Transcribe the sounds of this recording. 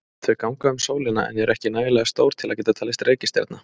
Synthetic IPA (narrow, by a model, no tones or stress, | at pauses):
t̪ʰvɪkawŋkaʏmsoːwlɪna̰ʔɛ̰njɛɛɾɛhcɪnaːjɪlɛɣast̪oːwɾ̥t̪ʰɪlaðcɛːt̪at̪ʰaːlɪst̪reːjcɪst̪ja̰ɾt̪na